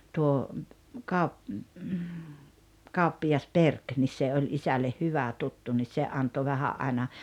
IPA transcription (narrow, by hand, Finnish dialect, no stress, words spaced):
tuo kɑup kɑupːijɑs perk nis se olʲ isælːeh hyʋæ tutːu nis se ɑnto ʋæhæʔ ʔɑinɑ